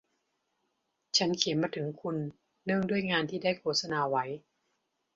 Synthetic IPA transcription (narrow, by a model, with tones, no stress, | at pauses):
t͡ɕʰa˦˥nkʰi˨˩˦nmaː˧t̪ʰɯ˩˦ŋkʰu˧nː | ɯ˥˩əŋdu˥˩əjŋaː˧nt̪ʰiː˥˩daː˥˩jkʰoː˥˩t̪̚sa˧naː˧wa˦˥j